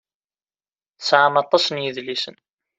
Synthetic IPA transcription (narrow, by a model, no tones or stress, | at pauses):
sʕamɑt̪ˤːɑsənjəðlisən